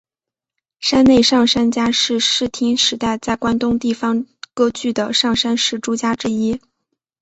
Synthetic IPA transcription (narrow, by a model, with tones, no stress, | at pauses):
ʂa˥nne˥˧ɪʂɑ˥˩ŋʂa˥nt͡ɕja˥ʂɻ̩˥˧ʂɻ̩˥˩t̪ʰi˥ŋʂɻ̩˧˥t̪a˥˧ɪt͡sa˥˩ɪkwa˥nt̪ʊ˥ŋt̪i˥˩fɑ˧˩ŋkɤ˥t͡ɕy˥˩d̪ə˩ʂɑ˥˩ŋʂa˥nʂɻ̩˥˩ʈ͡ʂu˥t͡ɕja˥ʈ͡ʂɻ̩˥i˥